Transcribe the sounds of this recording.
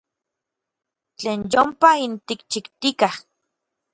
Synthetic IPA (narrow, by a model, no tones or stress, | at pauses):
t͡ɬeːnjompaint̪ikt͡ʃikt̪ikah